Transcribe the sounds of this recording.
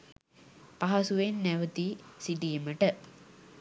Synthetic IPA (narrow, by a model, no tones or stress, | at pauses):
paɦɐsuʋenːæʋət̪isiʈiːməʈə